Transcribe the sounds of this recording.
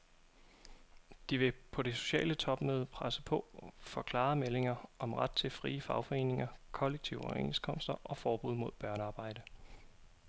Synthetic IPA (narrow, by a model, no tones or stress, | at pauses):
d̥iʋe̝pʰɒ̽ɾ̥e̝so̝̥ɕɛ̰ːlət͡sʰɒ̽b̥møːð̞ˠpʰʁasəpʰɒ̽fɒ̽kʰlɑ̰̈mele̝ŋɐʔɒ̽mʁad̥̚t͡sʰe̝lfʁiːəfɑ̈ʊfɒ̽e̝̰ːne̝ŋɐkʰɒ̽leɡ̥̚t͡sʰiʊɒʊḛnskʰɒ̽m̰sd̥ɐʔɒ̽fɒːb̥uð̞̰ˠmo̝ð̰ˠb̥ɶɐnəɑ̈ːb̥ɑ̈ɪ̰d̥ə